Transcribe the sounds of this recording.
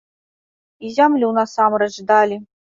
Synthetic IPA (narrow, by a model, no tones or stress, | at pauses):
izʲamlʲunɐsamɾɛd͡ʒd̪alʲi